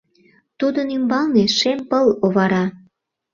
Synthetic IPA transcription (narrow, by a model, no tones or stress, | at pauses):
t̪ud̪ənymbɑlneʃempəloβɑɾɑ